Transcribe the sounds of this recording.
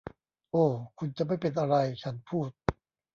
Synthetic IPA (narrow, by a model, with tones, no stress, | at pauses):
ʔoː˧˩kʰu˧nt͡ɕa˨ʔma˥˩jpe˧nʔa˧ɾa˧jt͡ɕʰa˦˥npʰuː˥˩t̪̚